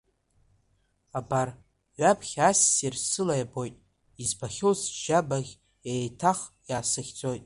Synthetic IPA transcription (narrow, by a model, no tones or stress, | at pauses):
abar | ɥapʰχʲasːirsɨlajabo̞jtʼ | izbaχʲowsʒabaʁʲ | ejtʰaχjaːsɨχʲd͡zʼo̞jtʼ